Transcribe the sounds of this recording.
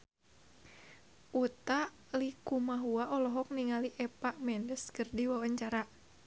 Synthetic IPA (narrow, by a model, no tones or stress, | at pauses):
ʔut̪aʔ | likumaɦuaʔɔlɔɦɔk̚niŋaliʔɛpaʔmɛndəskərdiwawaɲt͡ʃaɾa